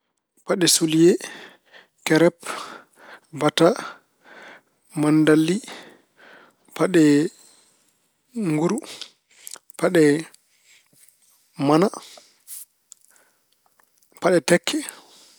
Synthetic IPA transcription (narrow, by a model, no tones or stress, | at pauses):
paɗɛsulijɛ | kɛɾɛp | bata | mandalːi | paɗɛ | ŋɡuɾu | paɗɛ | mana | paɗɛtɛkʰːɛ